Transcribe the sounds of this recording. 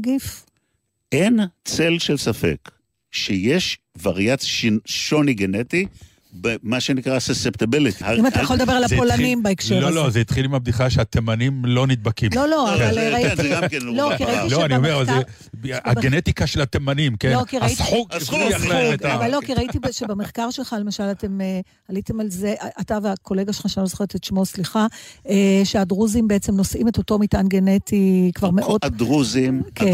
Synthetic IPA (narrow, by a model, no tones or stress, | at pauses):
ɡif | ʔent͡selʃelsafḛk | ʃejeʃ | vaʁjatʃinʃoniɡeneti | bemaʃenikʁasesep̚t̪abilit̪haimat̪ajxoled̪ɐbe̞alapolanimbaekʃelolozeit̪χilimeab̚d̪iχaʃeat̪emanimlo̞nid̪̚bakimlloloavalanɡamkenlokiaitiloaniomeʁavale | a̰ɡenet̪ikaʃelat̪emanimkenlokiʁaiħuklujalueɡavalːo̞kiʁaitibʃebemeχkaʁʃe̞lχale̞maʃalate̞me | halitemalzeʔaʔataveako̞leɡaʃelχaʃanozo̥χeʁet̪et̪ʃmo̞sliχaeʃeadʁuzimbeet͡semno̞sʔimeto̞to̞mitanɡenetʰikvaʁmeʔodduzike